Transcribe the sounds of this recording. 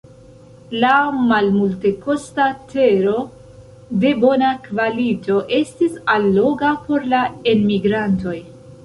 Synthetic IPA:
lamalmulte̞ko̞state̞ɾo̞ | de̞bo̞nakvalito̞ʔe̞stisalːo̞ɡapo̞ɾlaenmiɡɾanto̞j

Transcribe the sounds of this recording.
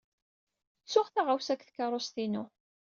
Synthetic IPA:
t͡sːʊχθaʁawsækːθkːɑrˤːost̪inʊ

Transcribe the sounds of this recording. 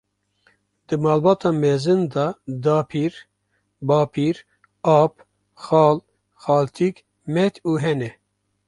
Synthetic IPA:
d̪̥ɨmɑːlbɑːt̪ʰɑːmeːzɨnd̪ɑːd̪ɑːpʰiːɾ | bɑːpʰiːɾ | ɑːp | xɑːl | xɑːlt̪ʰik | mɛt̪ʰuːɦɛnɛ

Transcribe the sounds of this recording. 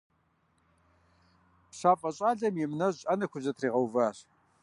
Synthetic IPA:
pɕaːfʼɐɕʼaːɮɐmjɪmnɐɕʼɐnɐxʷʊʑɐtʰriːʁɐwvaːɕ

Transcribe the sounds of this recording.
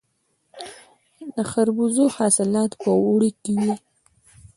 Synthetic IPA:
d̪əxaɾbuzoxɑsɪlɑt̪pəuɽikewi

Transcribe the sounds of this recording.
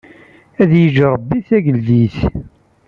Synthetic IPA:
æðjəʒɾˤəbːiθæʝəlðiθ

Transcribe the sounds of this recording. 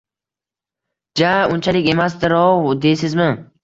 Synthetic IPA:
d͡ʒaʊnt͡ʃʰalɪkʲe̞mas̬d̪ɪɾɒwd̪ejsɪzmɪ

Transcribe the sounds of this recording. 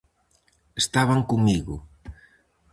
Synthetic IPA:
est̪aβaŋkuŋmiɣʊ

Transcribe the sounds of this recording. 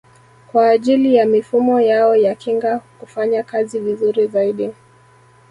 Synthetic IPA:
kwaːʄilijamifumɔjaɔjakiŋɡakufaɲakazivizuɾizaiɗi

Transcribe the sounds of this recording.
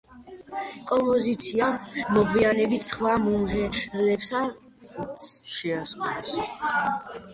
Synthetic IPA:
kʼɔmpʼɔzit̪sʰiamɔɡvianɛbit̪ʰsχwamumʁɛɾlɛpsa | ʃɛaskʼulɛs

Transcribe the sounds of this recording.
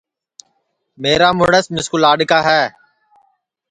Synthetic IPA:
meːɾaːmʊɽəsmɪskʊlaːɖkaːɦɛː

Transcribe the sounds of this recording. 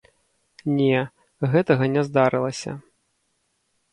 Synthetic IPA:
nʲɛ | ɣɛt̪ɐɣɐnʲɛzd̪aɾɨlˠɐsʲɐ̰

